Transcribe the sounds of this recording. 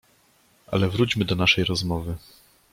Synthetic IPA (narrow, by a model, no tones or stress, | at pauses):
ʔa̰lɛvɾut͡ɕmɘd̪ɔnaʂɛjɾɔzmɔvɘ